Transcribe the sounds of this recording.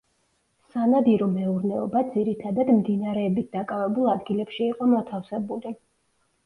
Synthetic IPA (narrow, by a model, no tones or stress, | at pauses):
sanad̪iɾɔmɛuɾnɛɔ̰bad̪ziɾit̪ʰad̪ad̪md̪inaɾɛːbit̪̚d̪̥akʼavɛbulˠad̪ɡilɛpʃiːqʼɔmɔt̪ʰafsɛbuli